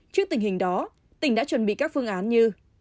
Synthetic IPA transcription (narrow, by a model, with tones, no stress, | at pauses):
t͡ɕɨ˦˥k̚t̪ï˨˩ŋ̟hï˨˩ŋ̟ɗɔ˨˦ | t̪ï˧˩ŋ̟ɗa̰ː˧˥t͡ɕwə˨˩nɓḭ˧˨kaː˦˥k̚fɨ˧əŋʔaː˨˦nɲɨ˧